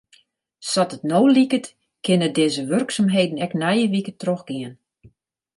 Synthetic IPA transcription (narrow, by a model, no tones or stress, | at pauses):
sɔtətnoːlikət | kʰɪnədɪːzəʋørksamɦejdən̩ɛknɛjəʋikətroxɡ̥ɪən